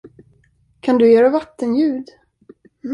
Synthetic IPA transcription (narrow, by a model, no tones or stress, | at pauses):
kʰand̪ɵjeːɾavat̪ːənjʉ̟ːd̪